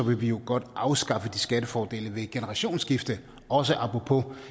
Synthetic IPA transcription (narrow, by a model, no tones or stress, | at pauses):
ɒ̽ʋe̝ʋijo̝ɡ̥ɒ̽d̥ʔɑ̈ʊsɡ̥ɑ̈fəd̥isɡ̥ædəfɒːd̥e̝̰ːləʋe̝ɡ̥enəʁɑ̈ɕo̝̰ːnsɡ̥ifd̥ə | ɒ̽s̬əʔɑ̈pʁopʰo̝